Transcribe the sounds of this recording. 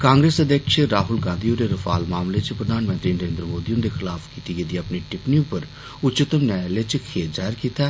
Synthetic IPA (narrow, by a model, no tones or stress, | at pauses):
kãːŋɡɾeːsəd̪jəkʃeɾaːɦʊlɡãːnd̪ioɾeɾəfʰaːlmaːmlet͡ʃpɾəd̪ʱaːnmə̃nt̪ɾiːnəɾẽːnd̪ɾəmoːd̪iːʊnd̪exɪlaːfkiːt̪iɡed̪iɐpniʈɪpniupəɾ | ʊtːt͡ʃɪt̪əmnɛːlet͡ʃkʰeːt̪d͡ʒaːɪɾkiːt̪aː